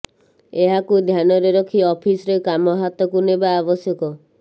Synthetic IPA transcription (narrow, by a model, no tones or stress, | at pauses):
eɦakud̪ʱjanɔɾeɾɔkʰiɔpʰisɔɾekamɔɦat̪ɔkunebaːbɔsjɔkɔ